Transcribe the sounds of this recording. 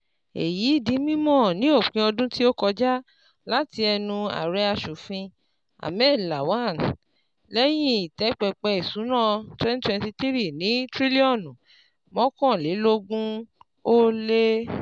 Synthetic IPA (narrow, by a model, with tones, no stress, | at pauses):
ḛ˨ji˨˦i˦˨di˨˦mĩ˦mɔ̃˦˨nĩ˨˦o˦˨k͡pĩ˧ɔ˧dũ˦ti˦o˦kɔ˧d͡ʒa˦ | la˦ti˧ɛ˧nũ˧a̰˨ɾɛ˧˦a˧ʃu˨fĩ˧ | a̰˨mɛ˦˨la˨wa˦˨n | lɛ˦jĩ˦˨i˨tɛ˨˦k͡pɛ˧k͡pɛ˧i˨sũ˨˦nã˦˨twɛ˦n˦twɛ̃˧nti˧t̪i˦ɾi˦˨nĩ˨˦tɾi˦li˦ɔ˦˨n˨ | mɔ̃˦kɔ̃˦˨le˨˦lo˦ɡũ˦ | o˦le˦